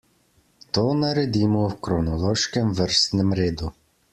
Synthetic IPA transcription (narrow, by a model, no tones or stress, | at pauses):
t̪ɔnɐɾed̪ʲimɔwkɾɔnɔlˠɔʃkɛmʋɛrsnɪmɾɪd̪ʊ